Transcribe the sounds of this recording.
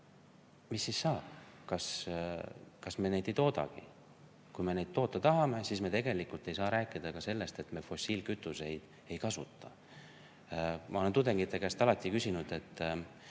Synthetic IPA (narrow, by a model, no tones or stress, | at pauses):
misːisːɑː | kɑs | kɑsme̞ne̞jd̪e̞jt̪o̞ːd̪̥ɑ̰ɡ̥ḭ | kujme̞ne̞jd̪̚t̪o̞ːt̪ːˑɑt̪ɑɦɑme̞siːsme̞t̪e̞ɡ̥e̞likult̪ˑe̞jsɑːɾæːkːˑid̪̥ɑkɑse̞lːe̞st̪e̞t̪me̞fo̞sːiːlkyt̪ːˑuse̞jd̪̥ | e̞jkɑsut̪ˑːɑ̰ | mʔɑ̰olent̪ud̪e̞ŋɡ̥it̪ːˑe̞kæst̪ɑlɑt̪ʲːˑikysʲinud̪̥e̞t̪ːˑ